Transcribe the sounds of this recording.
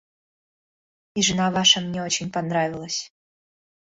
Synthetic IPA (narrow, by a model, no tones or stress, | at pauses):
iʐɨnavaʂəmnʲɛot͡ɕɪnʲpɐnɾavʲɪlˠəsʲ